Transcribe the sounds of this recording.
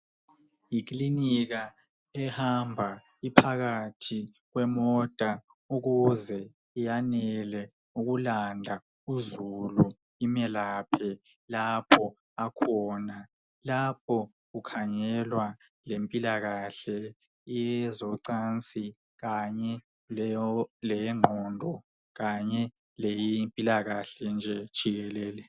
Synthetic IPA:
jik̬ʼliniɣa | ɛhambʱa | ipʰaɣatʰi | ɣwɛmɔd̥ʱa | uɣuzɛ | ijanɛlɛ | uɣulandʱa | uzulu | imɛlapʰɛ | lapʰɔ | akʰɔna | lapʰɔ | ɣukʰaɲɛlwa | lempʼilaɣaɬɛ | jɛzɔǀant͡sʼi | ɣaɲɛ | lɛŋ͡ǃʱɔndʱɔ | ɣaɲɛ | lejimpʼilaɣaɬɛnd͡ʒʱɛd̥ʒ̥ʱiɣɛlɛːlɛ

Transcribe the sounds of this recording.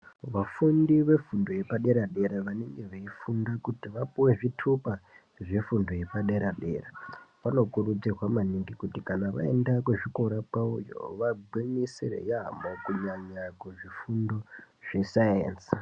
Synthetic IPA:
ʋafundiʋe̞fundo̞je̞paɗe̞ɾaɗe̞ɾaʋaneŋɡe̞ʋeifundakutiʋapuwe̞ʐitʰupa | ʐefundo̞je̞paɗe̞ɾaɗe̞raʋano̞kurud͡zerwamaniŋɡikutikanaʋa̰e̞̰ndakweʐiko̞ɾapaujo̞̰ʋabimisirḛjamokuɲaɲakweʐifundo̞ʐ̥esajḛːns

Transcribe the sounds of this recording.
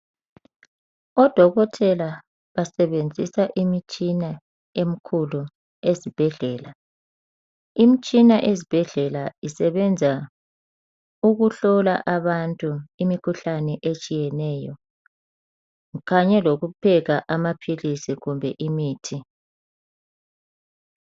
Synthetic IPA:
ɔd̥ʱɔɣɔtʰɛla | βasɛβend͡zʱisaʔimit͡ʃʼina | em̩kʰulu | ezib̥ʱɛɮɛːla | imit͡ʃʼinaʔezib̥ʱɛɮɛlaisɛβɛnd͡zʱa | uɣuɬɔla̰ʔaβantʼuimikʰuɬanɛʔet͡ʃʼijɛnɛːjɔ | ɣaɲɛloɣupʰɛɣaʔamapʰilisiɣumbʱɛʔimiːtʰi

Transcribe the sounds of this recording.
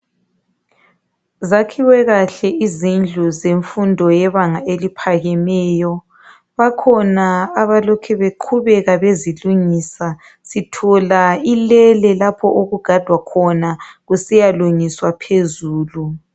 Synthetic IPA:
zakʰiwɛɣaɬɛʔizind͡ɮʱuzeɱfundʱɔjɛβaŋaʔelipʰaɣɛmɛːjɔ | βakʰɔnaːβalɔkʰɛβeǃʰuβɛɣaβeziluŋisa | sitʰɔlailɛlɛlapʰɔʔoɣuɡ̥ʱad̥ʱwakʰɔnaɣusijaluŋiswapʰezuːlu

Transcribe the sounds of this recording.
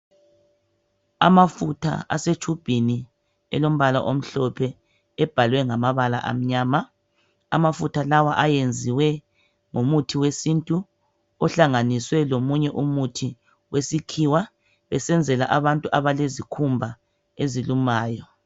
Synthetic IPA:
a̰mafutʰa̰a̰set͡ʃʰub̥ʱini | ɛ̰lom̩βala̰ʔom̩ɬɔpʰɛː | b̥ʱalwɛŋamaβala̰ʔa̰m̩ɲaːma | a̰mafutʰalawaʔajend͡zʱiwɛ | ŋomutʰiwesintʼu | ɔɬaŋaniswɛlomuɲɛʔumutʰi | wesikʰiwa | βɛsɛnd͡zʱɛlaʔaβantʼuʔaβalezikʰumbʱa | ezilumaːjɔ

